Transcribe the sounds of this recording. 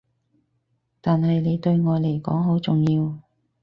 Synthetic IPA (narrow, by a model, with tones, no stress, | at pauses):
t̪aː˨nɦɐ˨jne˨˧jt̪ɵ˧ɥŋɔː˨˧jle˨˩jkɔ̰ː˨˥ŋɦo˨˥wt͡sʊ˨ŋjiː˧w